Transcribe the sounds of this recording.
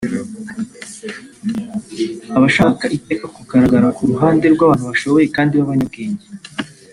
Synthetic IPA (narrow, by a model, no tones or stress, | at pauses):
aβaʃaːkaʔite̞ːkakuɡaɾaɡaɾakuɾuɦaːnde̞ɾɡwaβaːn̥uβaʃo̞βo̞je̞kaːndiβaβaɲabɡeːɲɟe